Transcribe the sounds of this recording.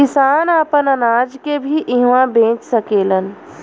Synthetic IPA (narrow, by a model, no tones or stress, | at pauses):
ɪsaːnaːpənənaːd͡ʒkebʱiʔɪɦʋãbẽːt͡ʃsəkeːlən